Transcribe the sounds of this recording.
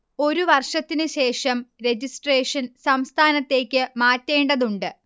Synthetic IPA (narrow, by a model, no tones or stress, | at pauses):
o̞ɾuʋɐrʂɐt̪ːinɨɕe̞ːʂɐmɾe̞d͡ʑisʈre̞ːʂɐnsɐmst̪ʰaːnɐt̪ːe̞ːkʲːɨmaːtːe̞ːɳɖɐðuɳɖɨ